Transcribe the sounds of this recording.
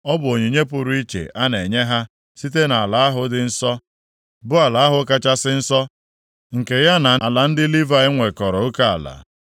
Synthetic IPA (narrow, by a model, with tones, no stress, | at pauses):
ɔ˦bʊ˨o˨ɲu˨ɲe˦p̬ʊ˨ɾʊ˦i˦t͡ʃḛ˨ʔa˦ne˨ɲe˦ɦa˦ | si˦t̬e˦na˨a˨la˨a˦ɦʊ˨dɪ˦n̩˦sɔ˦ | bʊ˦a˨la˨˦a˦ɦʊ˦ka˦t͡ʃa˦sɪ˦n̩˦sɔ˦ | ŋ̩˨ke˨ja˦na˨la˨n̩˦dɪ˦li˦va˨ɪ˦ŋʷe˨kɔ˨ɾɔ˨o˦ka˦a̰˨la̰˨